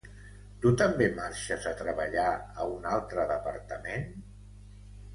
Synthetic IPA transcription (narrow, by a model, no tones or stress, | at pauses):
t̪ut̪əmbemaɾʃəzət̪ɾəβəʎaəunalˠt̪ɾəðəpəɾt̪əmen